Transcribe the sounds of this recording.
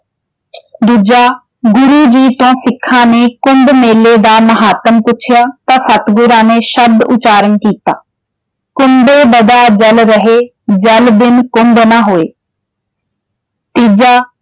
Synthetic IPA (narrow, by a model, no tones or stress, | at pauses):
d̪uːd͡ʒaː | ɡʊɾud͡ʑiːt̪õːsɪkʰːãːnekʊmɖmeːled̪aːmɐɦaːt̪əmpʊt͡ʃʰɪjaːt̪asɐt̪ɡʊɾãːneʃɐbd̪ʊt͡ʃaːɾənkiːt̪aː | kʊmɖebɐd̪aːd͡ʒɐlɾəɦe | d͡ʒɐld̪ɪnkʊmbnaɦoːeː | t̪iːd͡ʒaː